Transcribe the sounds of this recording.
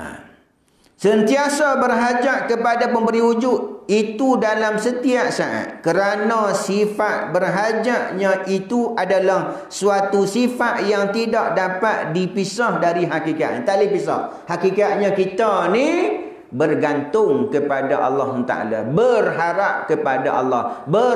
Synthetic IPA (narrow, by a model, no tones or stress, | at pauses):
na̰m | sənt̪iasabərɦad͡ʒaʔkəpadapəmbəɾiud͡ʒʊt̪̚it̪udalamsət̪iaʔsaʔa̰t̪̚kəɾanãsifat̪̚bərɦad͡ʒaʔɲãʔit̪uʔadalah | suat̪usifaʔ̪jaŋt̪idaʔ̚dapat̪̚dipisahdaɾiɦakika̰ʔ̪̚nḭt̪alipisa̰h | hakikat̪̚ɲãkit̪ani | bərɡant̪ʊŋkəpadaʔɑ̰lːɑhunt̪a̰ʔa̰la̰bərɦaɾap̚kəpada̰ʔɑ̰lːɑhbə